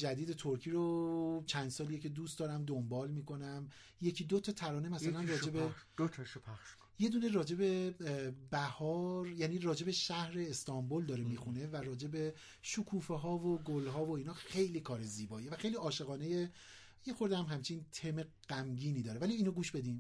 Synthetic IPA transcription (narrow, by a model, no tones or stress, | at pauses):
d͡ʒæd̪iːd̪e̞t̪ʰoɾcʰiːɾot͡ʃʰænd̪sɒːlijecʰe̞d̪uːst̪d̪ɒːɾæmd̪ombɒːlmiːkʰo̞næm | jecʰid̪ot̪ʰɒt̪ʰæɾɒːne̞mæsælænɾɒːd͡ʒe̞betʰʃpʰæʃ | je̞d̪uːne̞ɾɒːd͡ʒe̞be̞ | bæhɒːɾjæːniːɾɒːd͡ʒe̞be̞ʃæhɾe̞ːst̪ʰɒmbold̪ɒːɾemiːxune̞væɾɒːd͡ʒe̞be̞ | ʃukʰuːfeɦɒːvoɡolɦɒːvoiːnɒːxe̞jliːkʰɒːɾe̞ziːbɒːjevæxe̞jliɒːʃe̞ɣɒːne̞je̞ | jexoɾd̪æmɦæmt͡ʃʰint̪ʰemeɡ̥æmɟiːniːd̪ɒːɾevæliiːnoɡuːʃb̥e̞d̪iːm